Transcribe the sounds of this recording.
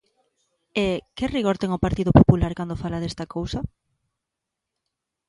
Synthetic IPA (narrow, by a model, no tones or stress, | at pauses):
ekɪriɣoɾt̪ɛŋʊpaɾt̪iðopopulaɾkand̪ofalɐðest̪ɐkowsɐ